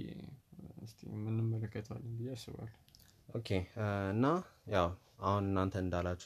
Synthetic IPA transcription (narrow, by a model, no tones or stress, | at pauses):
ɨst̪ʰḭmɨnːɨmːələkːət̪ʰa̰lːənbɨjːeasɨ̰βa̰l | ʔokʰeɨnːajaw | ahunɨnːant̪ʰəɨnd̪alːat͡ʃːu̥